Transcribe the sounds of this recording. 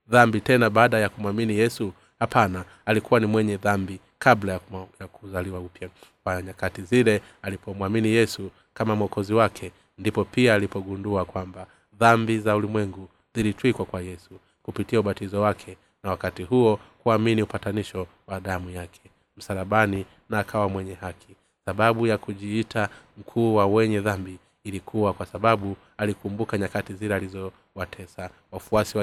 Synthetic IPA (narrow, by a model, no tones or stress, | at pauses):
ðambitɛnaɓaːɗajakumwaminijɛsu | hapʰanaːlikuwanimwɛɲɛðambi | kablajajakuzaliwaupjakwaɲakatizilɛ | alipʰɔmwaminijɛsu | kamamwɔkɔziwakʰɛ | ndipɔpiaːlipɔɡunduakwamba | ðambizaulimwɛŋɡu | zilitwikwakwajɛsu | kupitiauɓatizɔwakʰɛ | nawakatiɦuɔkuaminiupataniʃɔ | waɗamujakʰɛ̥ | m̩saɾaɓani | naːkʰawamwɛɲɛhakʰi | saɓaɓujakuʄiitʰam̩kʰuːwawɛɲɛðambiː | likʰuwakwasaɓaɓu | alikumbukaɲakatizilɛalizɔ | watʰɛsa | wafuasiwa